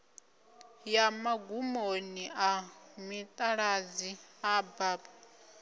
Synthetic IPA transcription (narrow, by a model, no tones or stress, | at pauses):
jamaɡumoniamit̪ʼaɺaziabaːba